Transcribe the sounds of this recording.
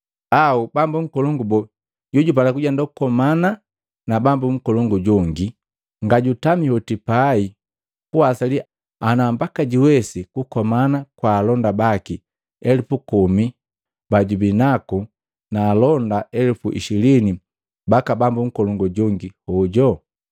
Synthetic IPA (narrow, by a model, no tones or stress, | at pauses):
aubambuŋ̩kɔlɔŋɡubɔ | ɟuɟup̬alakuɟandɔkukɔmana | nabambuŋ̩kɔlɔŋɡuɟɔŋɡi | ŋɡaɟutamihɔtipai | kuasali | anambakaɟiwɛsikukɔmanakwaːlɔndabaki | ɛlipukɔmi | baɟubinaku | naːlɔndaɛlupuʔḭʃilini | bakabambuŋ̩kɔlɔŋɡɔɟɔŋɡihɔɟɔ